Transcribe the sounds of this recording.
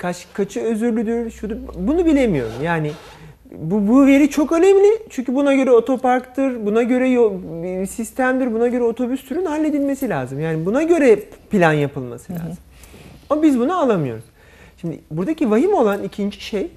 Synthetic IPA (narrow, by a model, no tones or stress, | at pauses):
kʰat͡ʃkʰat͡ʃʰɯø̞zyɾlʲyd̪yɾʃud̪bunubilʲe̞mijo̞̰ɾṵmjaːnɪ | bubuve̞ɾit͡ʃʰo̞kø̞nemlʲit͡ʃʰyɲcʰybunaɟø̞ɾɛo̞t̪ʰo̞paɾkt̪ʰɯɾbunaɟø̞ɾɛjosist̪ʰæmd̪iɾbunaɟø̞ɾɛo̞t̪ʰo̞byst̪ʰyɾynhalʲːe̞d̪ilʲme̞silʲa̰ːzɯmjaːnibunaɟø̞ɾɛpilʲanjapɯlˠma̰sɯlʲaːz̥ɯmaabizbunualˠamɯjo̞̰ɾuz̥ | ʃimd̪ɪ̰buɾd̪acivaɦimo̞lˠanicʰind͡ʒi̥ʃe̞j